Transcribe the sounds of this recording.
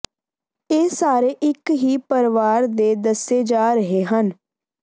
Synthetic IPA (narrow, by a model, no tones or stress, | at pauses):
eːsaːɾeːʔɪkɦiːpəɾʋaːɾd̪eːd̪əseːd͡ʒaːɾəɦeːɦən